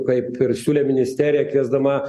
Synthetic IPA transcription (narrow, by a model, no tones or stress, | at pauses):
kɐɪpɪɾsʲuːlʲeːmʲɪnʲɪsʲt̪ʲæːɾʲɪjɛkʋʲiɛzd̪ɐmɐ